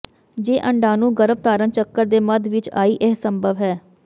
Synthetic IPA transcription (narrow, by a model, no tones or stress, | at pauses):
d͡ʒeːʔəɳɖaːnũːɡəɾəb̚t̪aːɾənt͡ʃəkːəɾd̪eːməd̪ʋɪt͡ʃa̰ːiːʔɛɦsəmbʱəʋɦɛː